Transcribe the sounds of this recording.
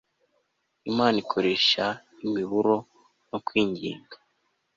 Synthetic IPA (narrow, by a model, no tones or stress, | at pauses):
imaːnikʰo̞ɾe̞ʃa | imiβuɾo̞ | no̞kwiːɲɟḭːŋɡa